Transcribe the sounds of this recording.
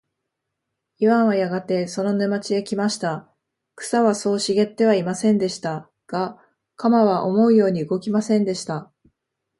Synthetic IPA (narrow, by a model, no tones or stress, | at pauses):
iβãɰ̃βajaɡat̪e̞so̞no̞nɯmat͡ɕiekʲimaɕi̥t̪a | kɯ̟̥saβaso̞ːɕiɡe̞t̪ːe̞β̞aimasẽ̞nd̪e̞ɕi̥t̪a | ɡ̥a | kamaβaʔo̞mo̞ɯ̟jo̞ːɲ̟iɯɡo̞kʲimasẽ̞nd̪e̞ɕi̥t̪a